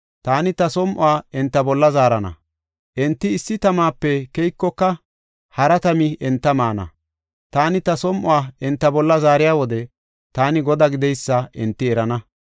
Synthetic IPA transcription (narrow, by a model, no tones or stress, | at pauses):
t̪aːnɪt̪ɐsɔmʔʊ̰waːɛnt̪ːɐbɔlːɐzaːɾɐnɐ̰ | ʔɛnt̪ːɪːsːɪt̪ɐmaːpːɛkɛjkːɔkːɐ | hɐɾɐt̪ɐmɪʔɛnt̪ːɐmaːnɐ̰ | t̪aːnɪt̪ɐsɔmʔʊwaːɛnt̪ːɐbɔlːɐzaːɾɪjaːwɔd̪ɛ | t̪aːnɪɡɔd̪aːɡɪd̪ɛjsːɐʔɛnt̪ːɪɛɾɐnɐ